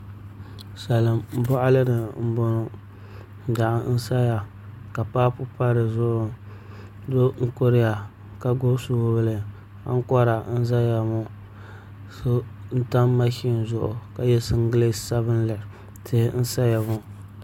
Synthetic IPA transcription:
sa˨la˨m˦bʊ˦ʔa˦lɨ˦nɨ˨m̩˦bo˦nʊ˦˨ | da˨ʔa˨n̩˦sa˦ja˨ | ka˨paː˦pʊ˦pa˦ɾɨ˨zʊ˦ʔʊ˨ | do˦ŋ̩˦ko˦ɾɪ˦ja˨ | ka˦ɡo˦su˦blɨ˨ | a̰˦ŋ˦kɔ˦ɾa˨n̩˦za˦ja˨mʊ˦ | so˦n̩˦ta˦mːa˦ʃi˦n˨zʊ˦ʔʊ̰˨ka˨jɛ˦sɨ˦ŋ˦ɡɨ˦le˦sa˦βɨ˦n˦la˨ | tʰɪ˦hɪ˦n̩˦sa˦ja˨mʊ˦

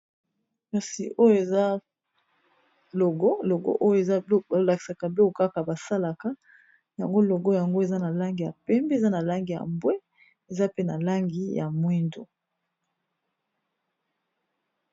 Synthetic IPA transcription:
ka˨si˨ʔo˦jo˦e˨za˦ | lo˨ɡo˦lo˨ɡo̰˦ʔo˦jo˦e˨za˦˨˦la˨ki̥˨sa˨ka˨blo˦ko˨ka˦ka˨ba˨sa˦la˨ka˦ | ja˨ŋɡo˦lo˨ɡo˦ja˨ŋɡo˦e˨za˦na˨la˦ŋɡi˨ja̰˨pɛ˦mbi˦e˨za˦na˨la˦ŋɡi˨ja̰˨mbwe˦ | e˨za˦pe˦na˨la˦ŋɡi˦ja̰˨mwi˦ndo̰˨

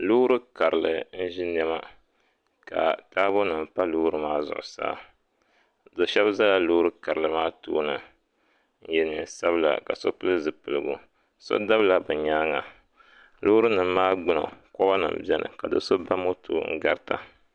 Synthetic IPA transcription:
lu˦ɾɨ˦ka˨ɾɨ˨lɨ˨n̩˦ʒi˦n˦ɛ˦ma˦ | ka̰˨taː˦bʊ˦nɨ˨m˨pa˦luː˦ɾɨ˦maː˦zʊ̰˨ʔʊ̰˨sa̰ː˦ | dɨ˨ʃɛ˦bza˦la˦lo˦ɾɨ˦ka˨ɾɨ˨lɨ˨maː˦to̰ː˦nɨ˨ | n̩˦jɛ˨nɨ˨sa˦βɨ˦la̰˨ka̰˨so˦pɨ˦lɨ˦zɨ˨pɨ˨lɨ˨ɡṵ˦ | so̰˦da˦bla˨bɨ˨ɲaː˦ŋa˨ | lo˦ɾɨ˦nɨ˨m˦maː˦ɡ͡bɨ˦no̰˨kɔ˦ba˦nɨ̰˨m̩˨bɛ˦nʔɨ̰˨ka˨dɨ̰˨so˦ba˦mo˦tʰo̰ː˦ŋ̩̰˦ɡa˦ɾta̰˨

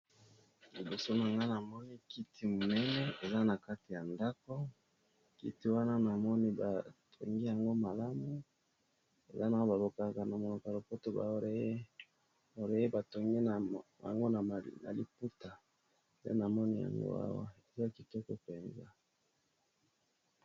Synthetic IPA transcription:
li˨bo˨so˦na˨ŋɡa˦na˨mɔ˦ni˦ki˦tʰi˦mo˨nɛ˦nɛ˦e˨za˦na˨ka˦ti˨ja˨nda˦ko˦ | kḭ˦ti˦wa˦na˦na˨mɔ˦ni˦ba˨tʰo̰˨ŋɡi˦ja˨ŋɡo˦ma˨la˦mu˦ | e˨za˦na˨o˦ba˨bo˨ka˨ka˨na˨mo˨lo˨ka˨lo˨po˦to˦ba̰˨o˨e˦e˦ | o˨ɾe˨e˦ba˨to˨ŋɡi˦na˨a̰˨ŋɡo˦na˨na̰˨lḭ˨pu˦ta˨ | dḛ˦na˨mɔ˦ni˦ja̰˨ŋɡo̰˦a̰˦wa̰˦e˨za˦a˨ki˨tɔ˦kɔ˦pɛ˨nza˦

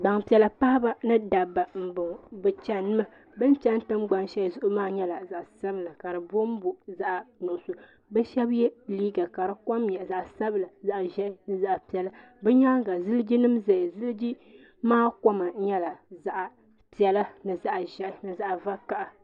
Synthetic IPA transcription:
ɡ͡ba˨ŋpi˨ɛ˨la˨pa˦ha˦ba˦nɨ˦da˨bːa˨m̩˨bʊ˨ŋbɨ˨t͡ʃɛ˨nɨ˦ma˦ | bɨ˦n˦t͡ʃɛ˦n˦tɨ˦mɡ͡ba˦nʃɛ˦˨zʊ˦ʔʊ˦maː˦ɲɛ˦la˨za˨ʔsa˦bla˨ka˨ɾɨ˨bo˦m˦bʊ˨za˦ʔnʊ˨ʊ˨so˨ | bɛ˦ʃɛ˦bjɛ˦liː˦ɡa˨ka˨ɾɨ˦kɔ˦mjɛ˨za˨ʔsa˦bla˨za˨ʔʒɛ˦ʔɪ˦nɨ˨za˨ʔpi˨ɛ˨la˦ | bɛ˦ɲaː˦ŋɡa˨zɨ˦ld͡ʒi˦nɨ˦mza˨jzɨ˦ld͡ʒi˦ | maː˦ka˦ma˨˦ɲɛ˦la˨za˨ʔa˨ | pi˨ɛ˨la˦nɨ˨za˦ʔʒɛ˦ʔɪ˨˦nɨ˨za˨ʔva˦ka˨ʔa˨

